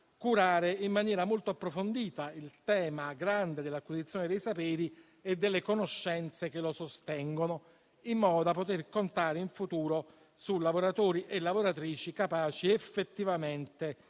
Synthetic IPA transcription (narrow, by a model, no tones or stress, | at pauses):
kuɾaːɾeimːanjɛːɾamolt̪oapːɾofond̪iːt̪ailt̪ɛːmaɡɾand̪ed̪elːakwizit̪sjoːned̪ejsapɛːɾi | ed̪ːelːekonoʃːɛnt̪sek̟elosost̪ɛŋɡono | imːɔːd̪od̪apːot̪erkont̪aːɾeiɱfut̪uːɾo | sulavoɾat̪oːɾiʔelːavoɾat̪ɾiːt͡ʃikapaːt͡ʃiefːet̪ːivament̪e